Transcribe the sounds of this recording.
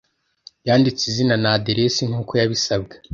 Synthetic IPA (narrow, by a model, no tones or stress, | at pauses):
jaːndit͡sizinanadeɾesiŋ̥uːko̞jaβisab̚ɡe